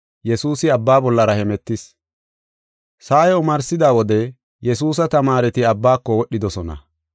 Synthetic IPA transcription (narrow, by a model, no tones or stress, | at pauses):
jɛsuːsɪɐbːaːbɔlːɐɾɐhɛmɛt̪ːɪs | saːjɛʊmɐɾsɪd̪aːwɔd̪ɛ | jɛs̬uːs̬ɐt̪ɐmaːɾɛt̪ɪɐbːaːkːɔwɔɗːɪd̪ɔsɔnɐ̰